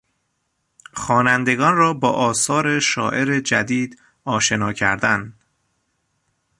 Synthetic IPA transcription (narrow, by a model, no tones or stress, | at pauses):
xɒːnænd̪e̞ɡɒːnrɒːbɒːʔɒːsɒːɾe̞ʃɒ̰ːʔe̞ɾed͡ʒæd̪iːd̪ | ɒːʃe̞nɒːcʰæ̰ɾd̪æn